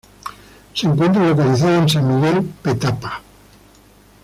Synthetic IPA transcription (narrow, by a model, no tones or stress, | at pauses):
seŋkwent̪̬ɾalokaliθaðoensammːiɣelpet̪apḁ